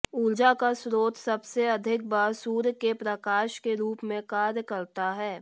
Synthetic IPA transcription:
ʊld͡ʒakasɾoːt̪ʰsɐbseɐd̪ʱɪk̚baːsuːɾkepɾəkaːʃkeɾuːpmẽkaːɾjəkəɾt̪aɦɛː

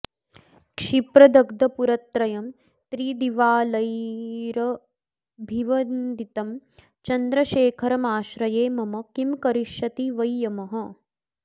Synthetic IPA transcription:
kʂipɾɐd̪ɐɡd̪ɐpuɾɐt̪ɾɐjɐm | t̪ɾiːd̪iʋaːlɐjɾɐ | bʱiʋɐnd̪it̪ɐm | t͡ʃɐnd̪ɾɐʃeːkʰɐɾɐmaːʃɾɐjeːmɐmɐkimkɐɾiʃɐt̪iʋɐjːɐmɐɦɐ

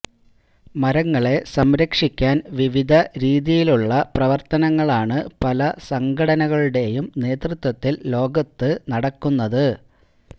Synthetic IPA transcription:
mɐɾɐŋːɐɭe̞sɐmɾɐkʂikʲːaːnʋiʋid̪ʱɐɾiːðijiluɭːɐprɐʋɐrt̪ɐnɐŋːɐɭaːɳɨpɐlɐsɐŋɡʱɐɽɐnɐɣɐɭuɽe̞jumne̞ːt̪rɨt̪wɐt̪ːilːo̞ːɡɐt̪ːɨnɐɽɐkːunːɐðɨ

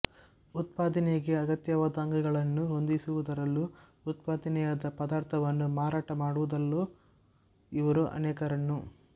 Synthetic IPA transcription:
ut̪̚paːd̪ɐneɡe̞ɐɡɐt̪jɐʋɐd̪aːŋɡɐɡɐɭɐnːuɦond̪isuʋud̪ɐɾɐlːuː | t̪̚paːd̪ɐnɛjad̪ɐpɐd̪aːɾt̪ʰɐʋɐnːumaːɾaːʈɐmaːɽuʋud̪ɐlːu | iʋɐɾuʔɐ̰nɛːkɐɾɐnːu

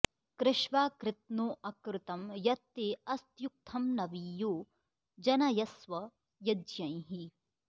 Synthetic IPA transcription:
kɾɪʃʋaːkɾɪt̪̚noːʔɐkɾɪt̪ɐmjɐt̪ːeːɐst̪juk̚t̪ʰɐmnɐʋijoː | d͡ʒɐnɐjɐsʋɐ | jɐdjɐ̃jɦi

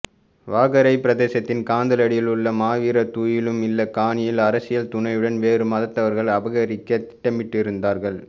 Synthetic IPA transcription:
ʋaːɣɐɾɐɪpɪɾɐðeːsɐt̪ːɪnkaːnd̪ɐlɐɽɪjɪlɯɭːɐmaːʋiːɾɐt̪uːjɪlɯmɪlːɐkaːɳɪjɪlɐɾɐsɪjɐlt̪ʊɳɐɪɯɽɐnʋeːɾɯmɐðɐt̪ːɐʋɐɾɣɐɭɐbɐɣɐɾɪkːɐt̪ɪ̥ʈːɐmɪʈːɪɾɯnd̪aːɾɣɐɭ

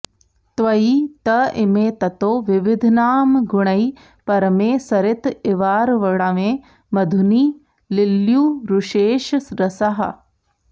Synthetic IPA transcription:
t̪ʋɐiːt̪ɐʔɪmeːt̪ɐt̪oːʋɪʋɪd̪ʱnaːmɡʊɳ̃ɐi | pɐɾɐmeːsɐɾɪt̪ɪʋaːɾʋɐɽaʋẽː | mɐd̪ʱuniː | lɪljuːɾuʃeːʃsɾɐsɐɦɐ̰

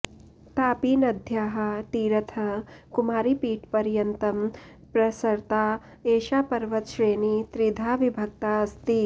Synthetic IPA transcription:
t̪aːpiːnɐd̪ʱjaːɦɐ̆t̪iːɾɐt̪ʰɐkumaːɾipiːʈpɐɾjɐnt̪ɐm | pɾɐsɐɾt̪aː | eːʃaːpɐɾʋɐt̪ʃɾeːniːt̪ɾid̪ʱaːʋibʱɐk̚t̪aɐst̪i

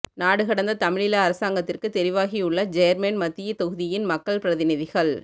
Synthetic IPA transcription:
naːɽɯɣɐɽɐnd̪ɐt̪ɐmɪɻɪlɐːɾɐsaːŋɡɐt̪ːɪrkɯt̪ɛɾɪʋaːɣiʊɭːɐd͡ʒɛjɾmɛnmɐt̪ːɪjɐt̪ɔɣɯðɪjɪnmɐkːɐɭpɪɾɐðɪnɪðɪɣɐɭ

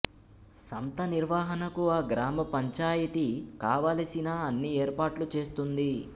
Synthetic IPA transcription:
sɐmt̪ɐniɾʋaːɦɐnɐkuaːɡɾaːmɐpɐɲt͡ʃaːjɐt̪ikaːʋaːlɐsinaːɐnːieːɾpaːʈlut͡ʃe̞ːst̪und̪i

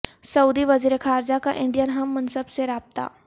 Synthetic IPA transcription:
səwd̪iʋəziɾekʰaɾd͡ʑaka̰ʔiɳɖijənɦəmːənsəbseɾap̚t̪a̰

